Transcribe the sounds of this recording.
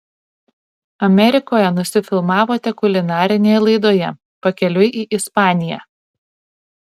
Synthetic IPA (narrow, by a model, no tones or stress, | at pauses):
ɐmʲɛɾʲɪkoːjɛnʊsʲɪfʲɪlˠmɑːʋoːt̪ʲɛkʊlʲɪnɑːɾʲɪnʲeːjɛlˠɐɪd̪oːjɛ | pɐkʲɛlʲʊɪʔiːʔɪspɑːnʲɪjæ̰ː